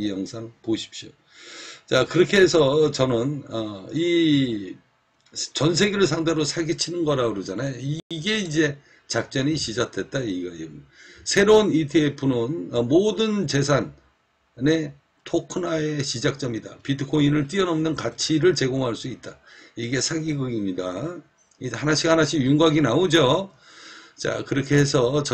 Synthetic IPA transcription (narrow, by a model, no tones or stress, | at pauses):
jʌŋsʰaŋpoɕʰi̥p̚ɕ͈jo | t͡ɕakɯɾʌkʰe̞ɦesʰʌt͡ɕʌnɯnʌi | t͡ɕʌns̬ʰe̞ɡeɾɯɭsʰaŋdeɾosʰaɡit͡ɕʰinɯnɡʌɾaɡɯɾʌd͡ʑanajoiɡe̞id͡ʑe̞ | t͡ɕak̚t͡ɕ͈ʌniɕid͡ʑak̚tʰe̞t̚t͈aiɡaisʰe̞ɾounitʰiepʰunɯnʌmodɯnt͡ɕe̞sʰan | ne̞ | tʰokʰɯnae̞ɕid͡ʑak̚t͡ɕ͈ʌmidapidɯkʰoinɯɭt͈iʌnʌmnɯnkat͡ɕʰiɾɯɭt͡ɕe̞ɡoŋɦaɭs͈uit̚t͈aiɡe̞sʰaɡiɡɯɡimɲida | ihanaɕʰihanaɕʰijuŋɡaɡinaod͡ʑo | t͡ɕa̰kɯɾʌkʰe̞hesʰʌt͡ɕ